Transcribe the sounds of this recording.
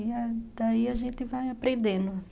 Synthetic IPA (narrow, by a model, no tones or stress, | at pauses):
iad̪̥aiaʒẽnt̪ɪvajapɾẽnd̪ẽnd̪ʊ